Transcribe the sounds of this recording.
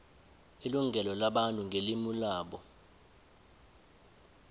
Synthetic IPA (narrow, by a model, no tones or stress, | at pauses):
iluŋʱɛlɔlaɓantʼuŋɡʱelimulaːɓɔ